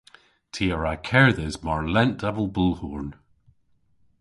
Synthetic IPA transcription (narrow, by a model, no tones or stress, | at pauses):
tʰiəɹakʰɛɹðɛzmaɹlɛnd̥ɛvəlˠbulˠhuɹn